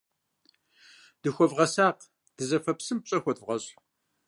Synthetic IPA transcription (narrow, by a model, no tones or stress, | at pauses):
d̪̥ɨxʷɐvʁɐsaːq | d̪̥ɨzɐfɐpsɨmpɕʼɐxʷɐt̪vʁɐɕ